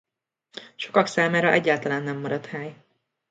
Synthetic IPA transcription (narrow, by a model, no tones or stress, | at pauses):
ʃo̞kɒksaːmaːɾɒʔɛɟːaːlt̪ɒlaːnːɛmːɒɾɒt̪haːj